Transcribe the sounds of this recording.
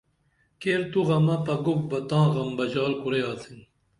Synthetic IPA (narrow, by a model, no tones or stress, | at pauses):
keːɾt̪uɣɐmɐpɐɡuk̚bɐt̪ãːɣɐmbɐd͡ʑaːlkuɾeaːt̪ʰin